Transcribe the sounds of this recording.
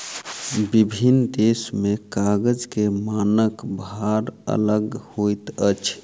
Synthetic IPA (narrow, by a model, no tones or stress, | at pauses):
bibʱind̪esmekaɡəd͡ʒkemanəkbʱaɾə̰ləɡhojt̪ət͡ʃʰ